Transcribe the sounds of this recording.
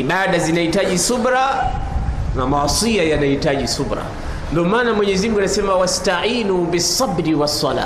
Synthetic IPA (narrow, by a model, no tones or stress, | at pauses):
iɓaɗazinahitaʄisuɓɾa | namawɑsiajanahitaʄisubɾa̰ | ndɔmaːnamwɛɲɛzim̩uŋɡuanasɛmawastaʕiːnubisːɑbɾiwasˤːɑla̰ː